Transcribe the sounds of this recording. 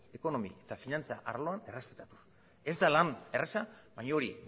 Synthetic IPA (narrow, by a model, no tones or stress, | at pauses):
e̞ko̞no̞mie̞t̪afinant͡sa̰ʔaɾlo̞ane̞re̞spe̞t̪at̪u̥s | e̞zd̪alane̞resaβajɲaoɾḭ